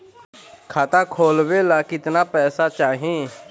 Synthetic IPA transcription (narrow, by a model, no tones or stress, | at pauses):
kʰaːt̪akʰoːlʋelakɪt̪napɛːsat͡ʃaːɦiẽ